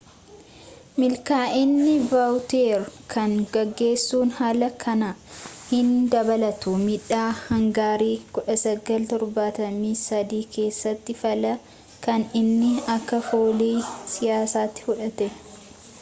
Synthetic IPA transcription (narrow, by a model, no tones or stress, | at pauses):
mɪlkaːʔɪnːɪbawt̪eːɾkʰɐŋɡɐɡːe̞ːsːuːnhaːlɐkʰɐnɐhɪnd̪ɐbɐlɐt̪ʊmɪᶑaːhɐŋɡaːɾiːkʊᶑɐsɐɡɐlt̪ɔɾbaːt̪ɐmiːsɐd̪iːkʰe̞ːsːɐt̪ːɪfɐlɐ | kɐnɪnːɪɐkːɐfoːliːsɪjaːsaːt̪ːɪ̥fʊᶑɐt̪ɛ